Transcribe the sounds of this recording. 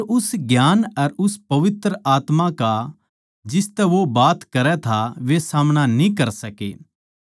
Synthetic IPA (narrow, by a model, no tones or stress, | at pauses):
ɾʊsɡjaːnɐɾʊspɐʋɪt̪ɾəʔaːt̪mãka | d͡ʒɪst̪ɛʋobaːt̪kɐɾɛt̪ʰaʋesaːmñanĩk̬ɐɾsɐkḛː